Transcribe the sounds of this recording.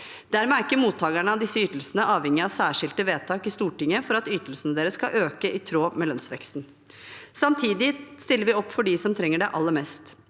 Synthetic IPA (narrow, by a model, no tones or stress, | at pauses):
d̪̥æɾmɛæɾɪkːəmuːt̪ʰːɑːɡæɳəɑʋd̪ɪsːəyːt̪l̩sənəʔɑːʋhɛŋːɪɑʋsæːʂɪlt̪əʋeːt̪ʰɑːkɪst̪uːʈɪŋːəfɔɾɑt̪yːt̪əl̩sənəd̪eːɾəskɑʔøːkəʔɪt̪ʰɾoːmɛlœnsʋɛ̰kst̪n | sɑmt̪ʰiːd̪ɪst̪ɪlːəɾʋɪɔpːfɔɖɪsɔmt̪ʰɾɛŋːəɖɛʔɑlːəmɛst̪